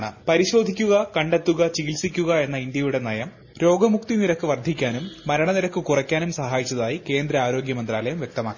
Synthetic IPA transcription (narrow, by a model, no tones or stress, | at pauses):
ɳɨpɐɾiɕo̞ːd̪ʱikʲːuɣɐkɐɳɖet̪ːuɣɐt͡ɕiɣilsikʲːuɣɐe̞nːɐind̪jɐjuɽe̞nɐjɐm | ɾo̞ːɡɐmuk̚t̪iniɾɐkːɨʋɐrd̪ʱːikʲːaːnumːɐɾɐɳɐniɾɐkːɨkurɐkʲːaːnumsɐɦaːjit͡ɕːɐðaːjike̞ːnd̪ɾɐaːɾo̞ːɡjɐmɐnd̪raːlɐjɐmʋjek̚t̪ɐmaːkːi